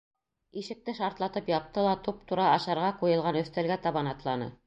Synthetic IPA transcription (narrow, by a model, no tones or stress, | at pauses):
iʃɘ̆k̚t̪ɘʃɑɾt̪lˠɑt̪ɤpjɑp̚t̪ɤlˠɑt̪up̚t̪uɾɑɑʃɑɾʁɑqujɤ̆lˠʁɑnɵ̆θt̪ælɡæt̪ɑβɑnɑt̪lˠɑnɤ̰